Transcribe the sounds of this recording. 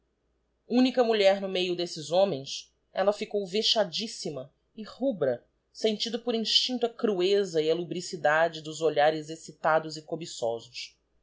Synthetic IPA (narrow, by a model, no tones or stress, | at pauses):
ũnikɐmuʎɛɾnʊmejʊd̪esɪzõmẽj̃s | ɛlɐfikowveʃad͡ʒisimɐ | ɪhubɾɐ | sẽnt͡ʃid̪ʊpʊɾĩʃt͡ʃĩnt̪ɐkɾuezɐiɐlubɾisid̪ad͡ʒɪd̪ʊzoʎaɾɪzesit̪ad̪ʊzɪkobisɔ̰zʊs